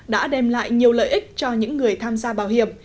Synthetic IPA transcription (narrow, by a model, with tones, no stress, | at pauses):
ɗa̰ː˧˥ɗɛ˧˩mla̰ː˧˨jɲi˨˩əwlə̰ː˧˨jʔi˦˥k̟̚t͡ɕɔ˧ɲɨ̰˧˥ŋːɨ˨˩əjt̪ʰaː˧mzaː˧ɓaː˨˩whḭ˧˨əm